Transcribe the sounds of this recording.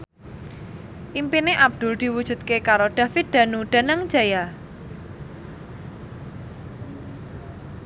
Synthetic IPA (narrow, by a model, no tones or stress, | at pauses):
ʔimpineʔab̚d̪̥ʊ̤ld̪̥i̤wud̥ʒ̥ṳd̪̚kekaɾoɖ̪̥ä̤fɪt̪̚d̪̥a̤nuɖ̪̥ä̤nəŋd͡ʒ̥aja